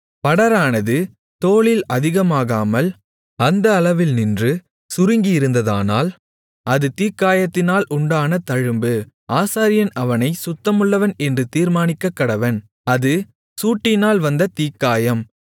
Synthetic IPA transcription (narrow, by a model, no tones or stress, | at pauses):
pɐɽɐɾaːnɐðɯ | t̪oːɭɪlɐðɪɣɐmaːɣaːmɐl | ɐnd̪ɐːlɐʋɪlnɪndrɯ | sʊɾɯŋɡɪjɪɾɯnd̪ɐða̰ːnaːl | ʔɐðɯt̪iːkːaːjɐt̪ːɪnaːlʔʊɳɖaːnɐt̪ɐɻɯmbɯ | ʔaːsaːɾɪjɐnɐʋɐnɐɪsʊt̪ːɐmɯɭːɐʋɐnɛndrɯt̪iːɾmaːnɪkːɐkːɐɽɐʋɐn | ɐðɯ | suːʈːɪnaːlʋɐnd̪ɐt̪iːkːaːjɐm